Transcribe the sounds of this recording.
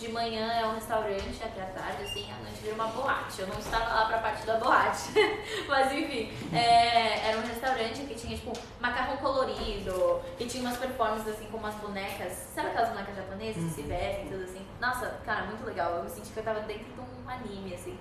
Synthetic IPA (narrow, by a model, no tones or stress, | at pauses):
d͡ʒɪmɐ̃ɲɐ̃ɛɾɐũhest̪awɾɐ̃nt͡ʃɪat̪ɛɐt̪a̰ɾd͡ʒɪasĩaɐ̃nt͡ʃɪviɾɐũmɐboat͡ʃɪewnɐ̃w̃ɪst̪avɐlapɾɐpaɾt͡ʃɪd̪ɐboat͡ʃɪ̥mɐzẽfĩ | ɛɛɾɐũɦest̪awɾɐ̃nt͡ʃɪkɪt͡ʃĩɲɐt͡ʃi̥pʊ̃ | makaɦɐ̃w̃koloɾid̪ʊ | ɪt͡ʃĩɲɐũmɐspeɾfɔɾmɐ̃sɪzasĩkõmũɐzbonɛkɐssɛɾaɐkɛlɐzbonɛkɐzʒaponezɐzɪsɪvɛsẽt̪od̪ʊzasĩnɔsɐkaɾɐmũj̃t̪ʊleɡawewmɪsẽt͡ʃikɪewt̪avɐd̪ẽnt̪ɾʊd̪ũ | anĩmɪasĩ